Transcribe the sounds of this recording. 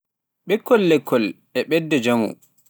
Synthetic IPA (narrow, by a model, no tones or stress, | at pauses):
ɓɛkʰːɔlːɛkʰːɔl | ɛɓɛdːɛd͡ʒamṵ